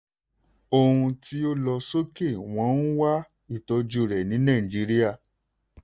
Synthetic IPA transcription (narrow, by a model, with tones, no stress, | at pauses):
o˧hũ˧ti˦o˦lɔ˧so˦ke˦˨w̃ɔ̃˨˦n̩˦wa˦ | i˦˨tɔ˧d͡ʒu˧ɾɛ˨nĩ˨˦nã˦˨d͡ʒi˨˦ɾi˦a˦˨